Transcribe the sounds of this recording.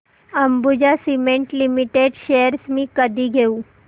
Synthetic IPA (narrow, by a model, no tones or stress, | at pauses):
əmbud͡ʑasimẽɳʈlimiʈeɖɕejəɾsmĩːkəd̪ʱiɡʱeu